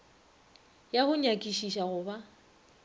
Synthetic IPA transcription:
jahʊɲakʼiʃiʃaɣʊba

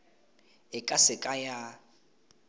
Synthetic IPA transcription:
ɪkʼasɪkʼaja

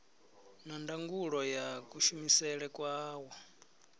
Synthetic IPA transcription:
nandaŋɡuɺɔjakuʃumisɛɺɛkʼwaːwɔ

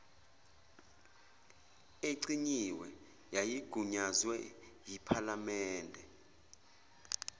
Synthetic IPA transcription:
eǀiɲiwɛ | jajiɡ̥ʱuɲazwɛ | jipʰalamɛːndʱɛ

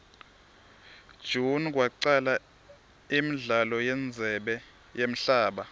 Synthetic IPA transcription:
d̥ʒ̥ʱunk̬ʼwaǀala | imiɮalɔjɛnd͡zʱɛɓɛ | jem̩ɬaːɓa

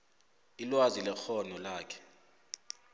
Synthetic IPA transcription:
ilwazilɛxɔnɔlaːkʰɛ̥

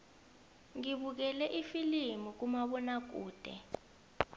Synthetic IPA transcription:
ŋiɓuk̬ɛlɛʔifilimuk̬umaɓɔnak̬ṵːd̥ʱɛ̰

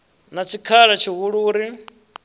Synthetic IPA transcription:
nat͡ʃʰikʰaɺɛt͡ʃʰiɦuɺuːɾi

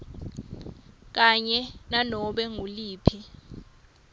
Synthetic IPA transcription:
k̬aɲɛnanɔɓɛŋuliːpʰi

